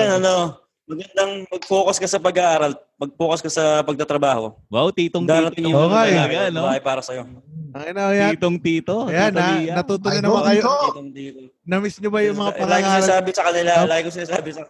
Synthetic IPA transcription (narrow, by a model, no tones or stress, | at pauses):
janɐno̞ | mɐɡɐnd̪ɐŋmɐɡ̚puːkɐskɐsɐpɐɡɐʔaːɾɐlmɐɡ̚puːkɐskɐsɐpɐɡ̚t̪ɐt̪ɾɐbaːho̰wawt̪iːt̪oŋd̪alɐt̪ɪŋɪokejaɡɐɐnobaːhɐjpaːɾɐsɐjoɐŋɐnɐjat̪oŋt̪iːt̪ojananɐt̪ut̪onɐnɐmakɐjot̪ot̪iːt̪o | nɐmɪsɲobɐjʊŋmɐŋapɐŋaɡɪkasɪnaasaːbɪsɐkɐnɪlalaːɡɪŋkosɪnaːsaːbɪsɐ